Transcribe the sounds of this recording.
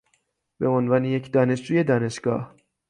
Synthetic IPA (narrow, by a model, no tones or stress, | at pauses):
beonvɒːnejecʰd̪ɒːne̞ʃd͡ʒuːje̞d̪ɒːne̞ʃɡ̥ɒ̰ːh